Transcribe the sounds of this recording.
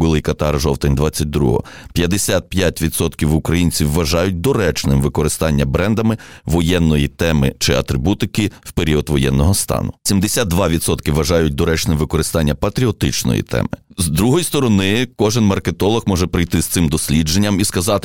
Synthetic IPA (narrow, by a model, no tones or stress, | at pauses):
ɡʊlˠɪjkɐt̪ɑrʒɔwt̪enʲd̪ʋɑt͡sʲːɐt̚ʲd̪ɾṵɦɔ̰pʲjɐd̪esʲat̪̚pjatʲʋʲid̪sɔt̪kʲiwʊkɾɐjinʲt͡sʲiwːɐʒɑjʊt̚ʲd̪ɔɾɛt͡ʃnɪmʋɪkɔɾɪst̪ɑnʲːɐbɾɛnd̪ɐmɪʋɔjɛnːɔjit̪ɛmɪt͡ʃɪɐ̰t̪ɾɪbut̪ɪkɪwpeɾʲiɔd̪ʋɔjɛnːɔɦɔst̪ɑ̰nʊsʲimd̪esʲad̪̚d̪ʋɑʋʲid̪sɔt̪kɪʋɐʒɑjʊt̚ʲd̪ɔɾɛt͡ʃnɛʋɪkɔɾɪst̪ɑnʲːɐpɐt̪ɾʲiɔt̪ɪt͡ʃnɔ̰jḭt̪ʰɛ̰mɪ̰zd̪ɾuɦɔjist̪ɔɾɔnɪkɔʒɪnmɐrket̪ɔlˠɔhmɔʒɛpɾɪjt̪ɪst̪sɪmd̪ɔsʲlʲid͡ʒenʲːɐmiskɐzɑt̪ɪ̥